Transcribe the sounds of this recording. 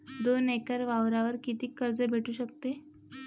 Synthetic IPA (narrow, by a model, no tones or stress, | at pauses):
d̪onekəɾʋaʋɾaʋəɾkit̪iːkəɾd͡zəbʱeʈʰuːɕək̚t̪e